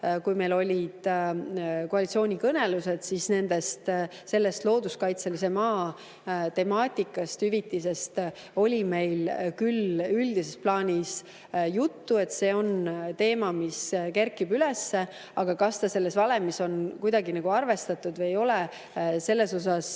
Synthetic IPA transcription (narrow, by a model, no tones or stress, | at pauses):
kujme̞jlo̞lʲid̪̥ | koɑlʲit̪sio̞ːnʲikɤne̞luse̞d̪̥sisne̞nd̪̥est̪se̞lːest̪lo̞ːd̪uskɑjt̪se̞lise̞mɑː | t̪e̞mɑːt̪ʲˑikːˑɑst̪hyvit̪ːˑise̞st̪ | o̞lʲime̞jlkylyld̪̥ise̞splɑːnʲis | jut̪ːue̞t̪se̞ːo̞nt̪e̞ːmɑmiskerkːibyle̞sːe̞ | ɑɡ̥ɑkɑst̪ɑse̞lːe̞svɑle̞mːiso̞nkujd̪̥ɑɡinɑɡ̥uɑrve̞st̪ɑt̪ˑːud̪vɤjejo̞le | se̞lːe̞so̞sɑs